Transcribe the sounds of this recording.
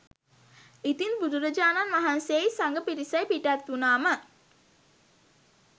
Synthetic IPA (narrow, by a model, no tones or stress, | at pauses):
it̪inbud̪uɾəd͡ʒaːnanʋaɦansejsaŋɡəpiɾisəjpiʈat̪ʋunaːmə